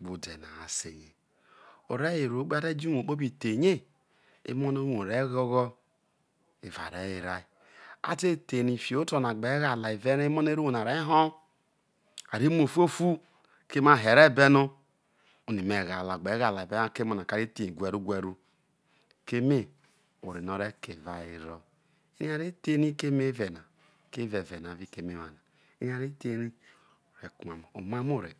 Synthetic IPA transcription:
ɡ͡bu˨de˨na̰˨a˨sḛ˨ɣe˨ | o˨ɾe˦je˨ɾo˨˦k͡pe˦a˦de˦d͡ʒi˦˨o˨k͡po˦bi˨te˨ɲe˦ | ḛ˦mo˦no˦ɾo˨ɾe˦ɣo˦ɣɔ˦ | e˨va̰˨ɾe˨˦i˨ɾa˦i˨ | a̰˦te˦˨te˨ni˨fi˨o˦to˦˨n˨a˨ɡ͡be˨˦ɣa˨la˨i˨ve˦n˦mo˦n˦e˦ɾu˦˨na˨ɾe˦ɦo˦ | a˨ɾi˦m˦o˨fu˦o˦fu˦ | ke˦ma˦˨ɦe˨ɾe˦˨be˦no˦ | u˨ni˨me˨ɣa˨la˨ɡ͡be˨˦ɣa˨la˨ve˦a˦˨ke˦mo˨na˨ka˨ɾi˦te˨i˨ɡʷɛ˨ɾu˦ɡʷe˨ɾu˦ | ke˦me˦ | o˨ɾi˨no˨ɾe˦ke˨va˨i˦ɾɔ˦ | e˦ni˦a˨ɾe˦te˦ni˦ke˦me˦vɛ˨na˨ | ke˦vɛ˨vɛ˨n˨a˨vi˦ke˦me˦wa̰˨na˨ | e˦i˦a˨ɾi˦te˦ni˦˨ | ɾe˨ku˨ma˨m˨o̰˨ma˦mo˦˨ɾḛ˨

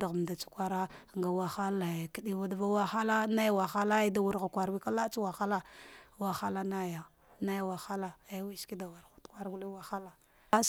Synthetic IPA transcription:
a˨ɣa˨m˨da˨t͡ʃu̥˦kʷa˦ɾa˦ŋɡa˨wa˦xa˦la˨ki˦di˦va˦dva˦wa˦xa˦la˦na˦jwa˨xa˦la˦i˦da˦wu˨ɾɣa˨kʷa˨ɾwi˦ka˦la˦t͡ʃu˦wa˨xa˦la˦wa˨xa˦la˦na˦ja˨ | na˦ja˨wa˨xa˦la˦a˨˦wi˦ski˦da˨wa˨ɾa˨tkʷa˦ɾɡu˦li˦wa˨xa˦la˦ | a˦s

